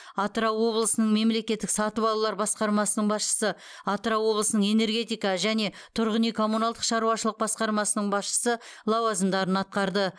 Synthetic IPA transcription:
ɑt̪ɾawo̞blˠəsənəɴme̞mle̞kʲe̞t̪ːɪksɑt̪uɑlˠɑlˠɑɾbɑsqɑɾmɑsənəɴbɑsʃə̥sə | ɑt̪ɾawo̞blˠəsənəɴe̞ne̞ɾɡʲe̞t̪ijkɑʒæne̞t̪ʰʊɾʁənijkʰo̞munɑlˠd̪əqʃɑɾuwɑʃəlˠəq̚bɑsqɑɾmɑsənəɴbɑsʃə̥səlˠɑwɑzəmd̪ɑɾənɑt̪̚qɑɾd̪ə

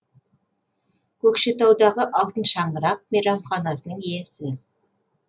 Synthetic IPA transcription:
kʲʰɵkʃet̪ɑwd̪ɑʁəʔɑlˠt̪ənʃɑɴəɾɑq̚meɾɑmχɑnɑsənəɴije̞sɪ

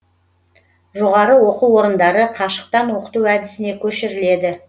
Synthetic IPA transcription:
ʒo̞ʁɑɾəwo̞quwo̞ɾənd̪ɑɾəqʰɑʃə̥q̚t̪ɑnwo̞qə̥t̪uwæd̪ɪsɪne̞kʲʰɵʃɪɾɪle̞d̪ɪ

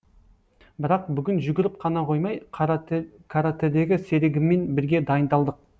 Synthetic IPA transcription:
bɪɾɑq̚bʏɡʲɪnʒʏɡʲɪɾɪp̚qʰɑnɑqʰojmɑj | kʰaɾɑt̪ʰɪɾd̪e̞ɡʲɪse̞ɾɪɡʲɪmːe̞nbɪɾɡʲe̞d̪ɑjənd̪ɑlˠd̪əq̚

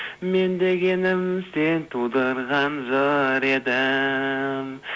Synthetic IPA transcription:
me̞nd̪e̞ɡʲe̞nɪmse̞nt̪ʰud̪əɾʁɑnzoɾe̞d̪ɪ | m

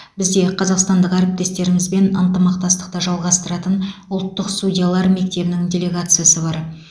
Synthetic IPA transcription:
bɪzd̪e̞qʰɑzɑqst̪ɑnd̪əqæɾɪp̚t̪e̞st̪e̞ɾɪmɪzbe̞nənt̪əmɑqt̪ɑst̪ə̥q̚t̪əʒɑlˠʁɑst̪əɾɑt̪ənʊlˠt̪ːəqsudʲijalˠɑɾme̞k̚t̪e̞bɪnɪŋdʲe̞lʲe̞ɡat̪sɨjasəbɑɾ

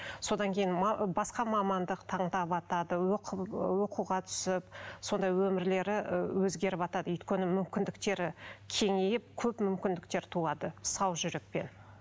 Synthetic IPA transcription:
so̞d̪ɑŋkʲʰe̞jɪnbɑsqɑmɑmɑnd̪əqt̪ʰɑɴd̪ɑpɑt̪ɑd̪ə | woquʁɑt̪ʰʏ̥sɪpso̞nd̪ɑjwɵmɪɾle̞ɾɪwɵzɡʲe̞ɾɪpɑt̪ɑd̪əʏjt̪kʲenɪmʏmkʲɪnd̪ɪk̚t̪e̞ɾkʲʰe̞ŋejɪp̚kʲʰɵpmʏmkʲɪnd̪ɪkt̪e̞ɾt̪ʰuɑd̪əsɑwʒʏɾe̞k̚pe̞̰n

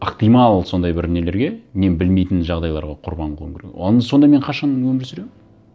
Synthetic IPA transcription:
ɑqt̪ijmɑlˠso̞nd̪ɑjbɪɾne̞le̞ɾɡʲe̞ne̞nbɪlmejt̪ɪnʒɑʁd̪ɑjlˠɑɾʁɑqʰʊɾbɑɴʰolˠəmkʲeɾḛwonəso̞nd̪ɑme̞ɴqʰɑʃɑnwɵmɪɾsʏɾe̞mɪn

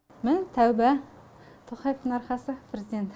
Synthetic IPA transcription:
mɪnt̪ʰæwbæ | t̪ʰoqɑjeft̪ɪŋɑɾχɑsəpʰɾezid̪ʲe̞nt̪

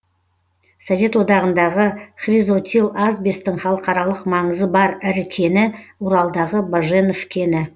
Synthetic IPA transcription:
sovʲe̞t̪wo̞d̪ɑʁənd̪ɑʁəχrizo̞t̪ʲilˠazbist̪ɪŋχɑlˠəqɑɾɑlˠəqmɑɴəzəbɑɾæɾɪkʲʰe̞nɪʊɾɑlˠd̪ɑʁəbaʒenofkʲʰe̞nɪ

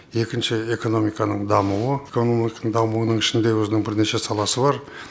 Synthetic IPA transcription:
je̞kʲɪnʃɪe̞ko̞no̞mijkɑnəɴd̪ɑmuwəkonomik̪əɴd̪ɑmuwənəɴɪʃɪnd̪e̞wøzɪnəɴbɪɾne̞ʃe̞sɑlˠɑsəβɑɾ

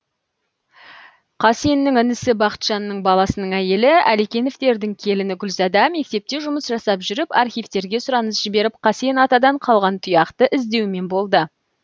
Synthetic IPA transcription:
qʰɑsenːɪŋɪnɪsɪbɑqə̥t̪ʃɑnːəɴbɑlˠɑsənəɴæje̞lɪæ̰likʲe̞neft̪e̞ɾd̪ɪŋkʲʰe̞lɪnɪɡʲʏlzɑd̪ɑme̞k̚t̪e̞p̚t̪e̞ʒʊməsʒɑsɑpʒʏɾɪpɑrχʲijvt̪e̞ɾɡʲe̞sʊɾɑnəsʒɪbe̞ɾɪp̚qʰɑsenɑt̪ɑd̪ɑɴqʰɑlˠʁɑnt̪ʰʊjɑqt̪əʔɪzd̪e̞wme̞nbo̞lˠd̪ə

